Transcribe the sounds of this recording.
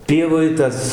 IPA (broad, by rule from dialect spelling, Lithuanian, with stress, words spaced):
ˈpʲiɛʋoːj ˈtɐs